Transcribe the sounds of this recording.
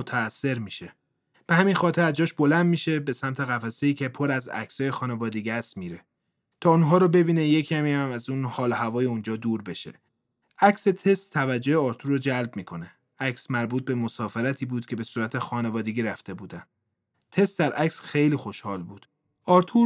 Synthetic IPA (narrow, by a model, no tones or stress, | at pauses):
ot̪ʰæːsːe̞ɾmiʃe | b̥ehæminxɒːt̪ʰe̞ɾæzd͡ʒɒːʃbo̞lænd̪̚miːʃe̞be̞sæmt̪ʰe̞ɣæfæse̞iːcʰe̞pʰo̞ɾæzæ̰csɒːjexɒːne̞vɒːd̪eɡæst̪miːɾe | t̪ʰɒːunɦɒːɾobe̞biːne̞je̞cʰæmiːhæmæzuːnhɒːloɦævɒːje̞und͡ʒɒːd̪uːɾbe̞ʃe̞̰ | æcse̞t̪ʰe̞st̪ʰːævæd͡ʒːo̞eɒːɾt̪ʰuɾod͡ʒælbmiːkʰo̞ne | æcsmæɾbuːt̪̚be̞mosɒːfeɾæt̪ʰiːbuːd̪̥kcʰe̞be̞suːɾæt̪ʰexɒːne̞vɒːd̪e̞ɟʲiːɾæft̪e̞buːd̪æn | t̪ʰe̞st̪d̪æɾʔæcsxe̞jliːxo̞ʃhɒːlbuːd̪̥ | ɒːɾt̪ʰu